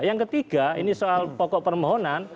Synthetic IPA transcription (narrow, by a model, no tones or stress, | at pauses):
jaŋkət̪iɡ̥aḭnisoalpɔkɔʔpərmɔɦonan